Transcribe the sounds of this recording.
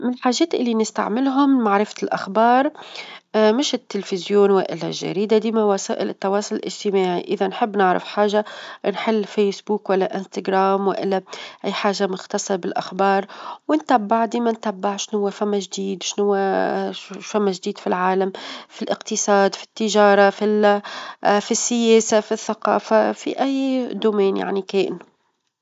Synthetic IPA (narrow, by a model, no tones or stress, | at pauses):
mɪnlħaːʒeːt̪ʔɪlːinɪst̪a̰ʕmɪlɦʊmmaʕɾɪfḁlʔaxbɑːɾˤ | mɪʃɪt̪ːɪlfɪzjoːnwɪ̰ʔɪ̰lːa̰lʒːa̰ɾiːd̪ad̪iːmawasa̰ːʔɪlɪt̪ːɑwɑːsˤʊllʔɪd͡ʒt̪ɪmaːʕḭʔɪðanħɪbːnɪʕɾɪ̰fħaːʒanħɪlːfeːsbuːkwalːaʔɪnst̪aɡɾaːmwɪʔɪlːaʔijːħaːʒamʊxt̪ɑsˤɨɾbɪlʔaxbɑːɾˤwɪnt̪abːɪʕd̪iːmant̪abːaʕʃnhʊwːafamːaʒd̪iːd̪ʃnʊwːa | famːaʒd̪iːd̪filʕaːlamfilʔɪqt̪ɨsˤɑːd̪fi̥t̪ːɪʒɑːɾˤɑfi | fisːɪjeːsafiθːaqɑ̰ːfafḭʔajːd̪uːmeːnja̰ʕnikeːʔn